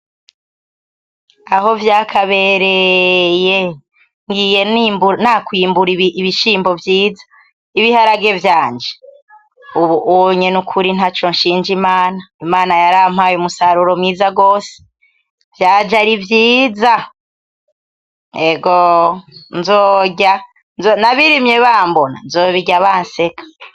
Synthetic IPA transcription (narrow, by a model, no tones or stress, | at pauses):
aɦo̞vjaːkʰaβe̞ɾeje | ŋɡije̞nimbunakwiːmbuɾiiβiʃiːmbo̞vjiːzḁ | iβihaɾaɡe̞vjaːnd͡ʒe | uβuɲenukʰuɾin̥at͡ʃo̞nʃiːnd͡ʒimaːnaimaːnajaɾaːm̥hajumusaɾuɾomiːzaɡo̞ːse̥ | v̥jaːd͡ʒaɾivjiːza | eɡo | nzoːɟa | nzonaβiɾimjeβaːmbona̰nzoːβiɟaβaːnse̞kʰḁ